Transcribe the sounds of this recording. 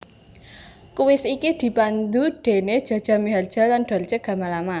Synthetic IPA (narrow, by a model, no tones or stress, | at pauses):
kuwɪsikid̪̥i̤pand̪uɖ̥e̤ned̥ʒ̥ä̤d̥a̤miɦard̥ʒ̥a̤land̥a̤rt͡ʃəɡ̥a̤malama